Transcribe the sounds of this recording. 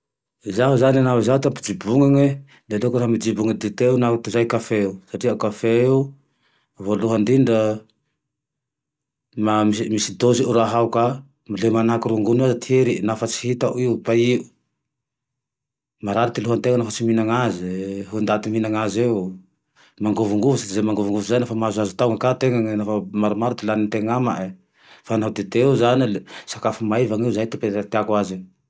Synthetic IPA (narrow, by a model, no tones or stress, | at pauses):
zaɦuzananauzaut̪ampud͡ʒibuŋaŋe | d̪elekuɾaɦmid͡ʒibuŋad̪it̪eunaut̪izajkafeusaʈ͡ʂiakafeu | voluɦand̪iɳɖ͡ʐə | mammisid̪oziʔuɾaɦauka | milemanakuɾuŋɡunuazat̪ieɾinafat͡si̥ɦit̪aʔuiupaiʔu | maɾaɾit̪iluɦant̪eŋanafat͡siminaŋaziɦund̪at̪iminaŋazeu | maŋɡuvuŋɡuvusad̪izamaŋɡuvuŋɡuvuzajnafamazazut̪awŋakat̪eŋaŋnafamaɾumaɾut̪ilanint̪eŋama̰ʔ | fanaud̪et̪euzanisakafumaevaŋiuzajt̪epet̪at̪akwazi